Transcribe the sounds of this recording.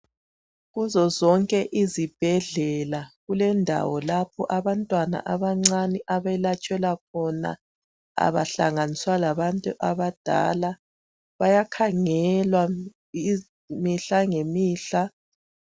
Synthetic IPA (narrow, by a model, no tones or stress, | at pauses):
ɣuzɔzɔŋkʼɛʔizib̥ʱɛɮɛlaɣulɛndʱa̰wɔlapʰɔʔaβantʼwana̰ʔaβaŋ͡ǀaniʔaβɛlat͡ʃʼɛlak̚ʰɔna̰ | a̰βa̰ɬa̰ŋaniswalaβantʼṵʔaβad̥ʱa̰ːla | βajakʰaŋɛlwa | i | miɬaŋemiːɬa